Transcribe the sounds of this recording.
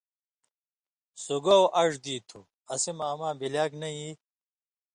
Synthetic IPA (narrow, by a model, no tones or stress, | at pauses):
suɡɐwʔɐʐd̪iːt̪ʰṵ | ɐsimaːmãːbilaːknɐi